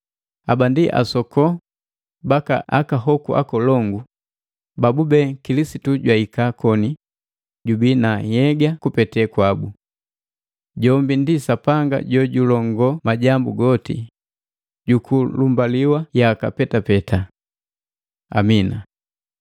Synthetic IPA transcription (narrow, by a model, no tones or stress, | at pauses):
a̰bandiʔa̰sɔkɔ | baka̰akaɦɔkuʔa̰kɔlɔŋɡu | babubɛkilisituɟwaikakɔni | ɟubinajɛɡakupɛtɛkwabu | ɟɔmbindisapaŋɡa̰ɟɔɟulɔŋɡɔmaɟambuɡɔtḭ | ɟukulumbaliwajakapɛtapɛtʰa | a̰mina̰